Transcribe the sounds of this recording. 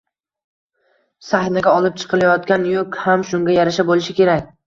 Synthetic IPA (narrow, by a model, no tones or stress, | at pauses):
sahnaɡʲaɒlˠɪp̚t͡ʃʰɨ̥qʰɨlˠajɒt̪kʲanjokʲhamʃʊŋɡʲajaɾaʃabolɪʃɪkʲʰe̞ɾakʲ